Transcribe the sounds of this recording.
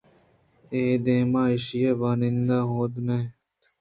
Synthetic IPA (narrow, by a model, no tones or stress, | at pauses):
eːd̪eːmãːɪʃijeːʋaːnɪ̃nd̪aːɦoːd̪neː